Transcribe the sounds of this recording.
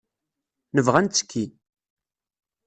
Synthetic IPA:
nəvʁænt͡sːə̥kʰʲːi

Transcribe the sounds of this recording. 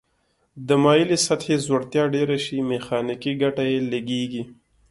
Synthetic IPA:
d̪əmɑjilesat̪hezwoɽt̪jɑɖeɾaʃimexɑnikiɡaʈajeleɡeɡi

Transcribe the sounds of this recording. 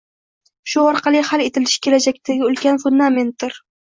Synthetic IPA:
ʃʊɒɾqʰɑlˠɪhale̞t̪ʰɪlɪʃɪ̥kʲʰe̞lad͡ʒak̚ʲt̪ʰaɡʲɪʊlˠkʲanfʊnd̪ame̞nt̪̚d̪ɪɾ

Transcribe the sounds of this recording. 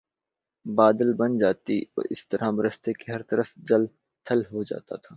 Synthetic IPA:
baːd̪əlbɐnd͡ʒaːt̪iɔ̰ːɾɪ̰st̪ɐɾãbɐɾəst̪ekeɦɐɾt̪ɐɾəfd͡ʒɐl | t̪ʰɐlɦod͡ʒa̰ːt̪a̰t̪ʰaː

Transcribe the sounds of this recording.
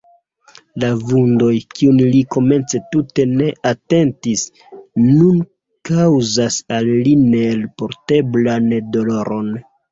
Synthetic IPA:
lavundo̞jkiunliko̞me̞nt͡se̞tute̞ne̞ʔate̞ntis | nun | kawzasalːine̞lpo̞ɾte̞blando̞lo̞ɾo̞n

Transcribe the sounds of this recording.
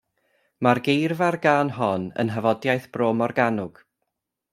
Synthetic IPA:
marɡejrvarɡaːnɦɔnə̰nɦəvɔdjajθb̥roːmɔrɡanʊɡ̥

